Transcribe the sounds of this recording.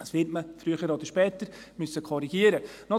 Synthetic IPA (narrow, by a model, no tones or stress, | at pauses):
əsʋɪtməfɾyəχəɾod̪əɾʃpɛːt̪əɾ | mʏsəkʰɔɾiɡiəɾənɔ